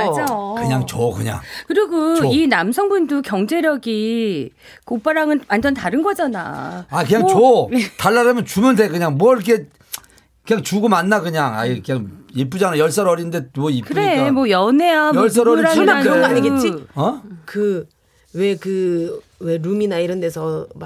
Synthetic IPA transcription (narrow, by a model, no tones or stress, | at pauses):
ad͡ʑakɯɲaŋt͡ɕokɯ̰ɲa̰ŋkɯɾiɡoinamsʰʌŋbundukjʌŋd͡ʑe̞ɾjʌɡi | kop͈aɾaŋɯnmand͡ʑʌntaɾɯnɡʌd͡ʑana̰akɯɲaŋoetaɭːaɾamjʌnt͡ɕumɯndekɯɲaŋmwʌiɾʌkʰe̞ | kɯɲaŋt͡ɕuɡomanːakɯɲaŋa̰ikɯɲaŋiɭp̬͈ud͡ʑanajʌɭs͈ʌɾʌɾinɯnde̞mʌipkɯɾemʌjʌneamʌɭs͈ʌɾʌɾɾaimaanaɯɡet͡ɕiʌkɯ | we̞kɯ | we̞ɾuminaiɾʌnde̞sʰʌ